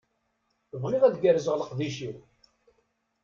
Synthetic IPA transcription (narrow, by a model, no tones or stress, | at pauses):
əvʁiʁæðɡəɾəzəʁləqðiʃiw